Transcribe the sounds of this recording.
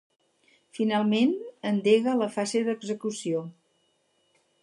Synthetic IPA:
finalˠmenənd̪eɣələfazeðəɡzəkusio

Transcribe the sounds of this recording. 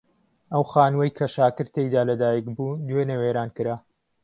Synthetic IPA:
ʔɐwxaːnwɐjkʰɐʃaːkɨɾt̪ejd̪aːlɐd̪aːjikbuːd̪wenɐweːɾaːnkɨɾaː

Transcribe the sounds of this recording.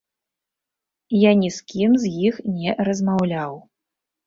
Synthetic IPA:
janʲiskʲimzjixnʲɛɾɐzmawlʲaw

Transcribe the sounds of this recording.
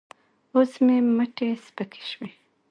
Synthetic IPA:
osmeməʈespəkʰe̥ʃwe

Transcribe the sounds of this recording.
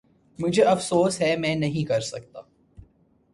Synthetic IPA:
mʊd͡ʒʱeɐfsoːsɦɛmɛ̃ːnɐɦĩkɐɾsɐk̚t̪a̰ː

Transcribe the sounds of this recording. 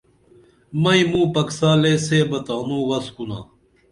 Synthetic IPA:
mɐĩmũːpɐksaːleːseːbɐt̪aːnũːwɐskuna̰ː

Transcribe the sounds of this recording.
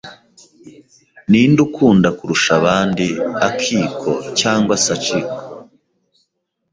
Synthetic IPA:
niːndukʰuːndakuɾuʃaβaːndiakʰiːkʰo̞caːŋɡwasat͡ʃiko̥

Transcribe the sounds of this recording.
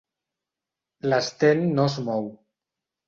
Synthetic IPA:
last̪enːozmɔw

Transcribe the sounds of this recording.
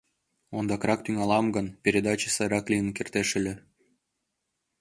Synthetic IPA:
ond̪ɑkrɑkt̪yŋɑlɑmɡɤ̆npʲeɾʲed̪ɑt͡ɕə̥sɤjɾɑklʲijənkʲert̪eʃɘ̆lʲĕ

